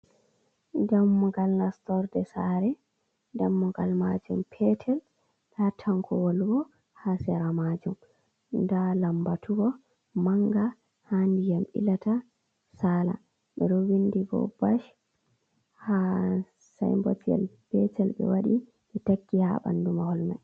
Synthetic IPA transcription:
d͡ʒamːuɡalnastɔɾdɛsaɾɛ | damːuŋɡalmad͡ʒumpʰɛtʰɛl | datʰaŋkʰɔwolɡɔ | hasɛɾamad͡ʒum | ndalambatʰuɡɔ | maŋɡa | handijamʔḭlata | sala̰ | ɓɛɾɔwindiɡɔ̰baʃ | ha | sa̰jmbotijɛ̰lpɛtʰɛlɓɛ̰waɗi | ɓɛtakːiha̰ɓa̰ndumahɔlma̰j

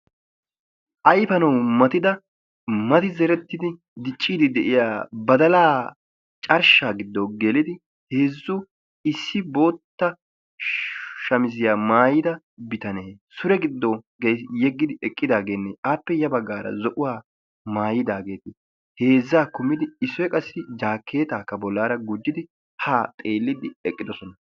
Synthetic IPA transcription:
ʔɐjfɐnɐwmɐt̪ɪd̪ɐ | mɐt̪ɪzɛɾɛt̪ːɪd̪ɪ | d̪ɪt͡ʃʼːiːd̪ɪd̪ɛʔɪjaːbɐd̪ɐlaː | t͡ʃʼɐɾʃaːɡɪd̪ːoɡɛlɪd̪ɪ | he̞ːzːʊ | ɪsːɪbo̞ːt̪ːɐ | ʃɐmɪzɪjaːmaːjɪd̪ɐ | bɪt̪ɐneːsʊɾɛɡɪd̪ːɔɡejsjɛɡːɪd̪ɪɛkʼːɪd̪aːɡeːnːɛʔaːpːɛjɐbɐɡːaːɾɐ̰zɔʔʊwaː | maːjɪd̪aːɡe̞ːt̪ɪ | he̞ːzːaːkʊmɪd̪ɪɪsːɔjɛkʼɐsːɪd͡ʒaːkʰːe̞ːt̪aːkːɐbɔlːaːɾɐɡʊd͡ʒːɪd̪ɪ | haːt̪ʼe̞ːlːɪd̪ɪɛkʼːɪd̪ɔsɔnɐ

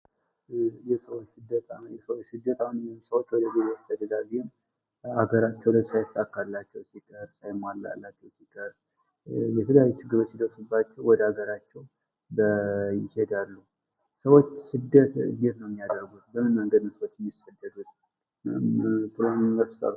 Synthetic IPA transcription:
jɛsəwot͡ʃːsɨd̪ːət̪ʼajɛsəwot͡ʃːsɨd̪ːət̪ʼahunnsəwo̞t͡ʃːwɔd̪əbezot͡ʃəd̪əd̪aβiɪm | aɡəɾat͡ʃːɛwləsajasakːalːat͡ʃːɛwsikʰʼəɾsajmalːa̰lːat͡ʃːɛwsikʰʼəɾ | jɛt̪ʰəljajit͡ʃɨɡːɨɾot̪sid̪əɾsɨbːat͡ʃːɛwwɔd̪əaɡəɾat͡ʃːɛw | bəjɪsed̪alːuhu | səwo̞t͡ʃːsɨd̪ːət̪ɡet̪nəwmːijad̪əɾɡut̪̚bəmːɨnməŋɡəd̪ɨnɨsəwot͡ʃːjɛmːisfəd̪ːəd̪ut̪ | t̪ɨlonəɾst̪a̰l

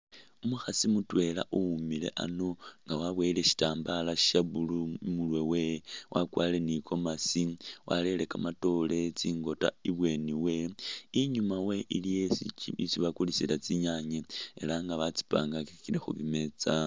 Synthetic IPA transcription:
umuxasimutwe̞la̰ʔuumile̞̰ʔa̰noŋɡawaβweileʃi̥taːmbalaʃi̥ʃaβulumulwe̞we̞wʔakwaːle̞nikʰo̞masiwʔa̰le̞le̞kamato̞le̞t͡siːŋɡo̞ta̰iβwe̞niwe̞iɲumawe̞ʔilijeit͡siβakulisilat͡siɲaɲeḛlaŋɡaβat͡si̥pa̰ːŋɡakikile̞xṵβime̞t͡sa

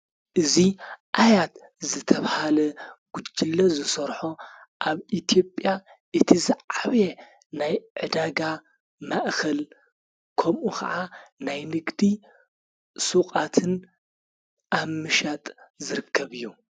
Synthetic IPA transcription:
ʔɨziʔajat̪ | zɨt̪ʰɐβhalɐɡ̥ud͡ʒʼːilːɐzɨsɐɾħoʔaβʔit̪ʰijo̞pʼja | ʔɨt̪ʰizaʕaβe | najʕɨd̪aɡa | maʔkʰɐl | kʰɐmʔukʰɐ̰ʕanajnɨɡd̪i | sukʼat̪ʰɨn | ʔamɨʃat̪ʼzɨɾɨkʰːɐβɨjːu

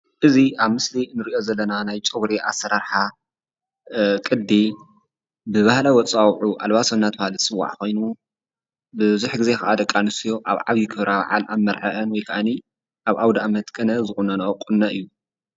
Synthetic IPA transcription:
ʔɨziaβmɨslinɨɾiʔo̞zɐlːɐnanajt͡ʃʼɨβɾeʔasːɐɾaɾħa | kʼɨd̪ːi | bɨβahlawɔt͡sʼawʕuʔalβasɐnːat̪̚bahlɨsʼɨwːa̰ʕko̞jnu | bɨzuħɡɨze̞kɐʔad̪ɐkʼːanɨsijoʔaβʕaβjikʰɨβɾaβ̰ʕa̰lʔamːɐɾʕaʔɐnwɔjkʰɐʔani | ʔaβʔawd̪aamɐt̪ʼkʼɐnɐzɨxunɐnɐɐkʼːunːaʔɨjːu

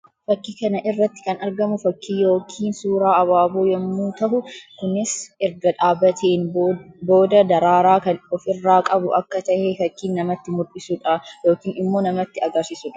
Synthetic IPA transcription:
fɐkːiːkɐnɐʔɪrːɐt̪ːɪ̥kɐnɐɾɡɐmʊfɐkʰːiːjo̞ːkʰiːnsuːɾaːʔɐβaːbuːjɐmːuːt̪ɐɦʊkʊnɪsʔɛɾɡɐᶑaːbɐt̪ʰeːnbo̞ːd̪ɐd̪ɐɾaːɾaːkɐnɔfɪrːaːkʼɐbʊʔɐkːɐt̪ɐʔɛfɐkːiːnːɐmɐt̪ːɪmʊɪsʊᶑajoːkiːnɪmːo̞ːnɐmɐt̪ːɪɐɡɐɾsɪsʊᶑɐ

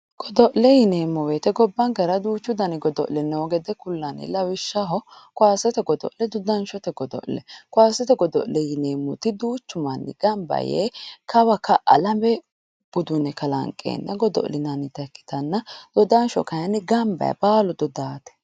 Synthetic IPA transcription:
ɡ̥ɔd̪ɔʔlɛjɪneːmːɔweːt̪ɛɡɔbːɐŋɡɐɾɐd̪uːt͡ʃːʊd̪ɐnɪɡɔd̪ɔʔlɛnoɡɛd̪ɛkʊlːɐnɪ̰lɐwɪʃːɐɦɔkwaːsɛt̪ɛɡɔd̪ɔ̰ʔlɛd̪ʊd̪ɐnʃɔt̪ɛɡɔd̪ɔ̰ʔlɛ̰kʊaːsɛt̪ɛɡɔd̪ɔ̰ʔlɛjɪneːmːʊt̪ɪd̪uːt͡ʃːʊmɐnːɪ̰ɡ̥ɐmbɐ̰jḛːkɐwɐkɐʔɐlɐmɛ | b̥ʊd̪ʊnɛkɐlɐ̰ŋkʼḛːnːɐɡɔd̪ɔ̰ʔlɪnɐnɪt̪ɐkːɪ̥t̪ɐnːɐd̪̥ɔd̪ɐnʃɔ̰kɐjɐnɪɡɐmbɐ̰jɐ̰baːlɔd̪ɔd̪aːt̪ɛ̥

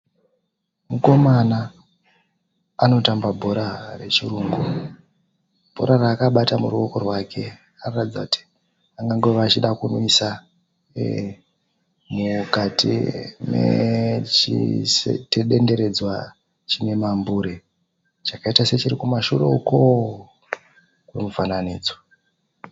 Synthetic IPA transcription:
muko̞mana | ano̞tambabʱo̞ɾare̞t͡ʃiruːŋɡu | b̥ʱo̞̰ɾaraːkaɓatamuruo̞ko̞rwakʰe̞ | arratid͡zakuti̥ | aŋɡaŋɡe̞ʋat͡ʃiɗakunoisa | mukatḭmḛt͡ʃḭsḛteɗe̞nde̞ɾe̞d͡zwa | t͡ʃine̞mambuːɾe | t͡ʃakaitase̞t͡ʃiɾikumaʃurḛuko | kumuvananiːd͡zwa

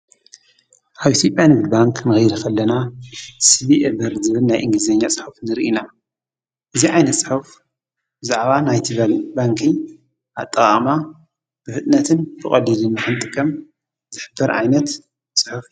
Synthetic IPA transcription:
ʔaβʔit̪ʰjo̞pʼjanɨɡud̪baŋkʰnɨxjɾkʰɐlːɐnasɨβiʔebɐɾzɨβɨlnajʔɨŋɡlizeɲːat͡sʼɨ̥ħufnɨɾʔina | ʔɨziʕajnɐt̪sʼɨħuf | b̥ɨzaʕβanajt̪ʰɨlbaŋkʰi | ʔa̰t̪ʼːɐχʼama | b̥ɨfɨt̪ʼnɐt̪ʰɨnbʰɨkʼɐlilɨnːɨħɨnt̪ʼɨkʰʼɐm | zɨħɨbːɐɾʕa̰jnɐt̪ | sʼɨħuf

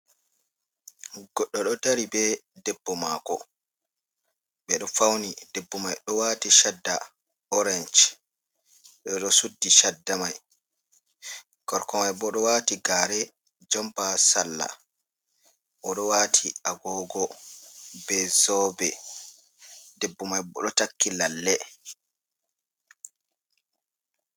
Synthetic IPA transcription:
ɡɔɗːɔɗɔtaɾibɛdɛbːɔmakɔ | ɓɛɗɔfawnidɛbːɔmajɗɔwaːtiʃadːa | ɔɾɛnt͡ʃ | ɗɛɗɔsudːiʃadːamaj | ɡ̥ɔɾkɔmajbɔɗɔwaːtiɡaɾɛ | d͡ʒɔmpasalːa̰ | ʔɔɗɔwaːtʰiaɡɔɡɔ | bɛzɔbɛ | debːumajbɔɗɔtakːilalːɛ

